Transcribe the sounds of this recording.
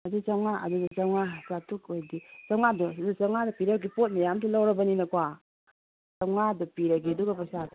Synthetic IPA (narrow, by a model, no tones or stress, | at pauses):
ɐdut͡ʃawŋaɐ̰dudɐt͡ʃawŋazatukojdisawŋadɔsawŋadɐpiɾɐɡipot̚majamtʰulawɾɐbɐninɐkwa | sawŋadɐpiɾɐɡiɐduɡɐpɐsat